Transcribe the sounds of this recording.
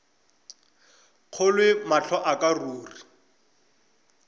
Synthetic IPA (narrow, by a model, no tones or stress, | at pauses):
q͡χʰolwɪmaɬʰɔʔakʼaruːri